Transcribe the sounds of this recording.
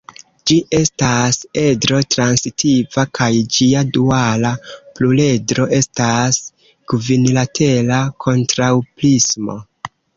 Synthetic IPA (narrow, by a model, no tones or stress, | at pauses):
d͡ʒiʔe̞stase̞dɾo̞tɾansitʰivakʰajd͡ʒiadualaplule̞dɾo̞ʔe̞stas | ɡ̥vinlatʰe̞lakʰo̞ntɾawplismo̞̰